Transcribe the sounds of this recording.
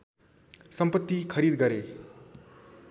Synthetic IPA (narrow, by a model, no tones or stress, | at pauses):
sʌmpʌt̪ːikʰʌɾid̪ɡʌɾe